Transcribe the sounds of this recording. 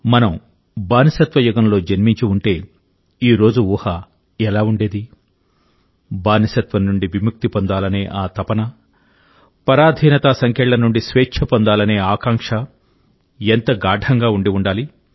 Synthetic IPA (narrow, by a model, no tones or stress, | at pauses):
mɐnɐm | baːnɐsɐt̪ʋɐjuɡɐmlo̞ːd͡ʒɐnmiɲt͡ʃiuɳʈe̞ː | iːɾo̞ːd͡ʒuuːhɐ | ɛlaːuɳɖe̞ːd̪i | baːnisɐt̪ʋɐnːuɳɖiʋimuk̚t̪ipond̪aːlɐne̞ːʔaːt̪ɐpɐnɐ | pɐɾaːd̪ʱiːnɐt̪asɐŋkʰɛːɭːɐnuɳɖisʋeːt͡ʃt͡ʃʰɐpond̪aːlɐne̞ːaːkaːŋkʂɐ | ent̪ɐɡaːɖʱɐŋɡaːuɳɖiuɳɖaːli